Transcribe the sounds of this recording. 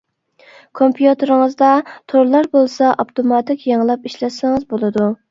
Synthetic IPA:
kʰompʰjut̪ɨɾɪŋɨzd̪ɑt̪ʰoɾlˠɑɾbolˠsɑʔɑpt̪ʰomɑt̪ʰɪkʲjɑŋlˠɑpiʃlɛt̪sɪŋɨzbolˠɨd̪u

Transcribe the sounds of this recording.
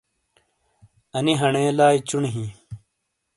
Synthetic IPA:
ɐniɦɐɳẽːlaːit͡ɕuɳɦĩː

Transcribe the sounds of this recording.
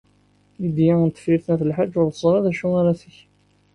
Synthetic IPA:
jid̪jaənt̪ːə̥fiɾθnæθəlħad͡ʒːʊɾθəzˤɾˤɑðæʃuaɾaθəç

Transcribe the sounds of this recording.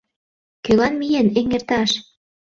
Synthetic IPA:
kølɑnmijeneŋert̪ɑʃ

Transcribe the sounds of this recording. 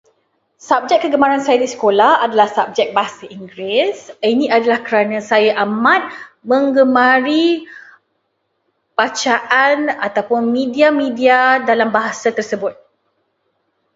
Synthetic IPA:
sap̚d͡ʒɛk̚kːəɡəmaɾansajadisə̥kolahadalahsap̚d͡ʒɛk̚baɦasaʔiŋɡɾɪsinĩadalahkəɾanãsajaʔamãt̪̚mə̃ŋɡəmãɾi | pat͡ʃaʔanat̪awpʊnmĩdiamĩdiadalambaɦasat̪ərsəbʊt̪̚

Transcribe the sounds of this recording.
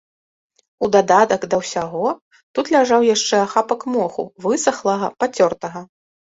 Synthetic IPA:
ud̪ad̪at̪ɐɡd̪ɐwsʲaɣɔ | t̪ut̪lʲaʐawjaʂt͡ʂɛaxapɐkmɔxṵvɨsɐxlˠɐɣɐpat͡sʲɔrt̪ɐɣɐ

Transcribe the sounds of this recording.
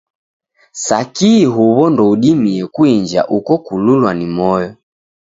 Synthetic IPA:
sakiɦuβɔndɔuɗimiɛkuiɲd͡ʒa̰ʔukɔkululwanimɔjɔ

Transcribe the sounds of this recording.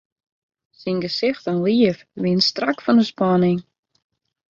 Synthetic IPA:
sinɡəsɪxtɛnliəfʋiənstrakfɔnəspɔnɪŋ

